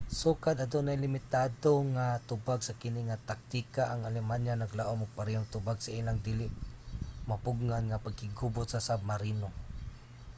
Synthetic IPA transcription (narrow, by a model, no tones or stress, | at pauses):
suːkad̪ɐd̪onajlɪmɪt̪aːd̪oŋat̪ʊbaɡsakɪniŋat̪ak̚t̪ikaʔaŋalɛmanjanaɡlaːʔomʊɡ̚paɾɛɦʊŋt̪ʊbaɡsaiːlaŋd̪iːlɪʔmapʊɡŋanŋapaɡ̚hɪɡubʊt̪̚sasab̚maɾiːno